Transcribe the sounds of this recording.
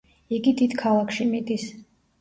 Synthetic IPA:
iɡid̪it̪ʰkʰalˠakʰʃimit̪ʼis

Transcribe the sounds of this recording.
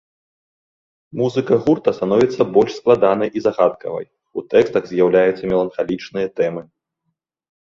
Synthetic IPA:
muzɨkɐɣurt̪ɐst̪anɔvʲit̪sːɐbɔlʲʂsklˠad̪anɐjʔizaɣat̪̚kɐ̰vɐ̰j | ut̪ɛkst̪ɐɣzʲjawlʲajut̪sːɐmʲɛlˠɐnxalʲit͡ʂnɨjɐt̪ɛmɨ

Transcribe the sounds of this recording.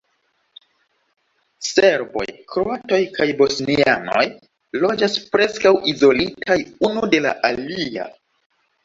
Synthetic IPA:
se̞ɾbo̞̰jkɾoato̞jkajbo̞sniano̞̰j | lo̞d͡ʒaspɾe̞skawʔizo̞litajunude̞la̰ʔalia̰

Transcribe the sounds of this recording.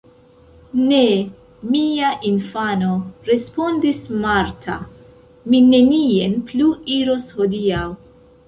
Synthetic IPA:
ne̞ | miaʔinfano̞ɾe̞spo̞ndismaɾtʰa | mine̞nienpluiɾosho̞diaw

